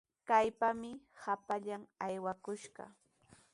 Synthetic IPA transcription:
kajpamɪhapaʎamajwakʊʃɢɑ̰

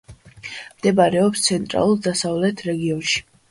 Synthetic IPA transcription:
md̪̥ɛbaɾɛɔpst̪sʰɛnt̪ʼɾa̰lˠuɾd̪asavlɛt̪ʰɾɛɡiɔnʃi̥

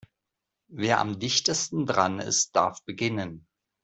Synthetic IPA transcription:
veːɐʔa̰mdɪçtəstn̩dʁanɪ̰st̚d̥aɐfb̥əɡɪnən

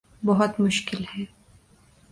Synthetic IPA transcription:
bɐɦʊt̪mʊʃkɪlhɛː

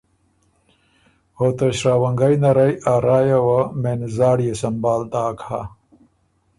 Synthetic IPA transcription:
hot̪ɐɕɾaːwɐŋɡajnɐɾajaːɾaːjawamenzaːɽijesɐmbaːld̪aːkʰa

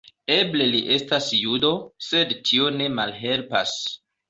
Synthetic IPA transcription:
e̞ble̞liʔe̞stasjudo̞se̞dtʰio̞ne̞malɦe̞lpa̰s

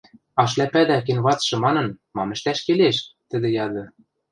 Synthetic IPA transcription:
ɑʃlæpæd̪æk̬enβɑt͡sʃɤ̆mɑnɤ̆nmɑmɘ̆ʃt̪æʃkeleʃt̪ɘ̆d̪ɘ̆jɑd̪ɤ̆

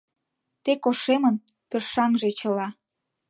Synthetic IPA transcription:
t̪ekoʃemən | pørʃɑŋʒe̽t͡ɕə̆lɑ

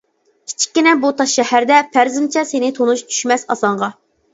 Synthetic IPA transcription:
kʲʰi̥t͡ʃʰi̥kʲːinɛbut̪ʰɑʃʃɛhæɾd̪ɛpʰæɾzɪmt͡ʃʰɛsenɪt̪ʰonuʃt͡ʃʰy̥ʃmɛsɑsɑɴʁɑ

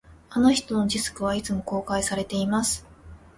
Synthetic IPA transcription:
ano̞çi̥t̪o̞no̞d͡ʑisɨ̥kɯ̟β̞ait͡sɨmo̞ko̞ːkaisaɾe̞t̪e̞imasɨ̥

